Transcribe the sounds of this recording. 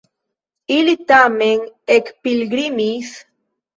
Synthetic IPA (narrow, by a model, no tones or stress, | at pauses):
ilit̪ameŋekpilɡɾimis